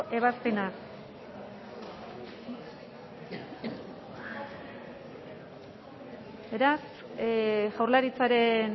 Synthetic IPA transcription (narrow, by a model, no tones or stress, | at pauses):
ʔe̞β̞aspenak | be̞ɾas | ʝawrlaɾit͡saɾe̞n